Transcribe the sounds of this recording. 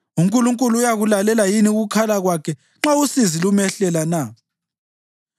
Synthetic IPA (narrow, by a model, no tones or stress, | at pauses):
uŋkʼuluŋkʼuluːjaɣulalɛlajiniuɣukʰalaɣwakʰɛ | ŋ͡ǁausizilumɛɬɛlana